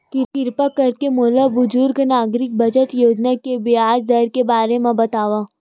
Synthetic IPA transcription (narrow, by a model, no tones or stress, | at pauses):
kɪɾkɪɾpakɐɾkemoːlabʊd͡ʒʊɾɡnaːɡɾɪk̚bɐd͡ʒət̪joːd͡ʒnakebiaːd͡ʒd̪ɐɾkebaːɾemẽbɐt̪aːʋaː